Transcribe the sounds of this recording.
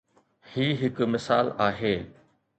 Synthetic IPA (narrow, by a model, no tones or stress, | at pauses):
hiːɦɪkmɪsa̰ːlaːɦeː